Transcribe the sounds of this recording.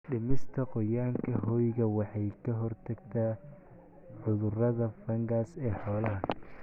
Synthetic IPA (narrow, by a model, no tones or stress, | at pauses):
ɖɪmɪst̪ʰɐqɔjaːŋkʰɐɦɔjɣɐwɑħɑjkʰɐɦɔrt̪ʰɐɡt̪ʰaː | ʕʊðʊrɐðɐfɐŋɡasɛːħɔːlɐɦɐ